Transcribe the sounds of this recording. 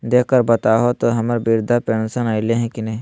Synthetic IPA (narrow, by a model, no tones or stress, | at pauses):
d̪eːkəɾbɐt̪aɦot̪oɦɐməɾbiɾd̪ʱapeːnsənaileɦɛ̃kinɐɦĩ